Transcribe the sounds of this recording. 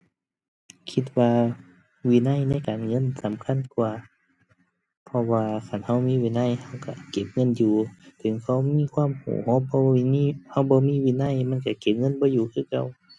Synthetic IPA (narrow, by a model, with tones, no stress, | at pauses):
kʰi˧t̪̚waː˧ | wiː˧˨na˧˥˨jna˧˥˨jkaː˨nŋɤ˧˥˨nsa˨˦mkʰa˧˥˨nkuː˧ | pʰɔ˧waː˧kʰa˧˩˨nha˧˥˩wmiː˧˥˨wiː˧˨na˧˥˨jha˧˩wka˧˩ke˧˦p̚ŋɤ˧˥˨njuː˧˩t̪ʰɯ˨˦ŋkʰa˧˩wmiː˧˥˨kʰwaː˧˥˨mhṵː˨˦hɔː˧˥˨bɔː˧i˧˨niː˧˥˨ha˧˩˨wbɔː˧˦miː˧˥˨wiː˧˥˨na˧˥˨jma˧˥˨nka˧˩ke˧˦p̚ŋɤ˧˥˨nbɔː˧˦juː˧˩kʰɯː˧˥˨ka˧˩˨w